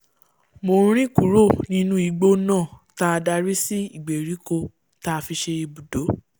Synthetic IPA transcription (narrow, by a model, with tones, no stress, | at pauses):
mõ˧˨˦ɾ̃ĩ˦ku˨ɾo˦˨nĩ˧nũ˦i˨˧ɡ͡bo˦nãː˦˨ta˧da˧ɾi˦si˦i˦˨ɡ͡be˨ɾi˨˦ko˧ | ta˧fi˧ʃe˧i˧bu˨do˨˦